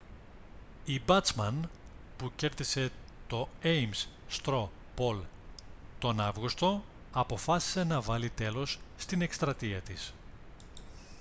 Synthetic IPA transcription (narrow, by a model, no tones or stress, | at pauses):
ibɐt͡smɐnpuce̞ɾðise̞t̪o̞ejms | st̪ɾo̞ | po̞l | t̪o̞nɐvɣust̪o̞ | ɐpo̞fɐsi̥se̞nɐvɐlit̪e̞lo̞sːt̪ine̞kst̪ɾɐt̪iɐt̪is